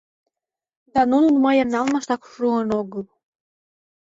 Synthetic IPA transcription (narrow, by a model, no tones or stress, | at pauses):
d̪ɑnununmɑjemnɑlmɑʃt̪ɑkʃuɤnoɣɤl